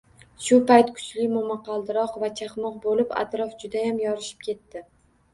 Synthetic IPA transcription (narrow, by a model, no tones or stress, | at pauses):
ʃʊpajt̪kʰʊ̥t͡ʃʰlɪmʊmɑqʰɑlˠd̪ɪɾɒqvat͡ʃʰaχmɒq̚bolɪpa̰t̪ɾɒfd͡ʒʊd̪ajamjɒɾɪʃɪ̥pkʲʰe̞t̪ːɪ